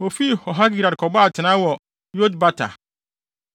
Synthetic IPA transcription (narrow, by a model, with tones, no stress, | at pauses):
o˨fi˦hɔ˨ɦa˦ɡi˦˨ɾa˨dkʰɔ˨ba˦a˨tʰɪ˨nã˦wɔ˨ | jo˦dba˦tʰa̰˨